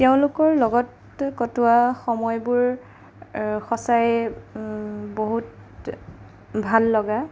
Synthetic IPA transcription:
teʊ̃lʊkɔɹlɔɡɔt | kɔtʊaxɔmɔjbʊɹ | xɔsaj | boɦut | bʱalːɔɡa

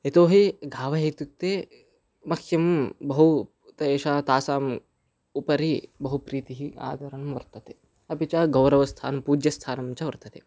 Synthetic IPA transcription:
et̪oːɦiɡʱaːʋɐɦɐjt̪ut̪ːeː | mɐkʰjɐmbɐɦu | t̪ɐeːʃaːt̪aːsaːm | upɐɾibɐɦupɾiːt̪iɦia̰ːd̪ʱɐɾɐnmʋɐɾt̪ɐt̪e̥ | ɐpit͡ʃaɡɐwɾɐʋɐst̪ʰa̰ːnɐpuːd͡ʒjɐst̪ʰaːnɐmt͡ʃɐʋɐɾt̪ɐt̪e

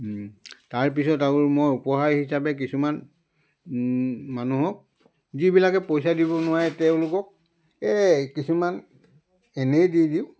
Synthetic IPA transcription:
taɹp̬isɔtaɡʊɹmojupɔɦaɹhisapɛk̬isuman | manuɦɔk̚ | zibilakɛpojs̬adibɔnʊwaɹɛtɛʊ̃lʊkɔk̚ | ɛkisuman | ɛnejdidiʊ

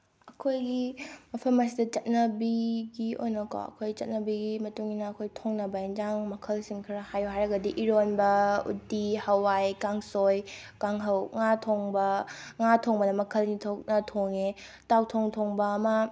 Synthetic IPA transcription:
ɐkʰojɡimɐpʰɐmɐs̬idɐt͡ʃɐt̚nɐbiɡio̰jnɐko̰ɐ̰kʰojɡit͡ʃɐt̚nɐbiɡimɐtuŋinɐːkʰojtʰoŋnɐbɐind͡ʒaŋmɐkʰɐlsiŋkʰiɾɐhajuɦajɾɐɡɐdiʔiɾonbɐṵdihɐwajkaŋsoj | kaŋɦɐwŋatʰoŋbɐŋatʰoŋbɐnɐmɐkʰɐlnitʰok̚nɐtʰoŋe | tawtʰoŋtʰoŋbɐːmɐ

